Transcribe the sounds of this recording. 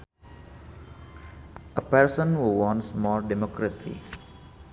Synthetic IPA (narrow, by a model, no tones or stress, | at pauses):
ʔəpɛɾsə̃nwuwɔ̃nsmɔːdɛmɔkɾəsḭ